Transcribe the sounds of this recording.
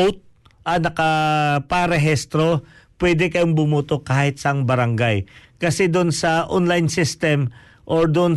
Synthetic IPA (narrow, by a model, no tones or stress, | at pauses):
owt̪̚ | ʔɐnɐkɐpaɾɛɦɛst̪ɾo̞ | pwɛːd̪ɛkɐjoŋbʊmuːt̪okaːhɪt̪sɐɐŋbɐɾɐŋɡajkɐsɛd̪ʊnsɐʔo̰nlajnsɪst̪ɛm | ʔoɹd̪ʊn